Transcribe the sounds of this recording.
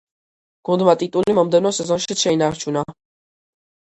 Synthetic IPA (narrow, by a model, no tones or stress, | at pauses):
ɡ̥und̪mat̪ʼit̪ʼulimɔmd̪ɛnɔsɛzɔnʃit̪ʃɛinaɾt͡ʃʰuna